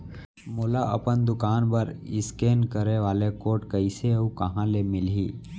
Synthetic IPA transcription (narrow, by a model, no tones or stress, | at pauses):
moːlaɐ̰pənd̪ʊkaːnpəɾɪskeːnkəɾeʋaːlekoːʈkəɪseukɐɦãlemɪlɦḭː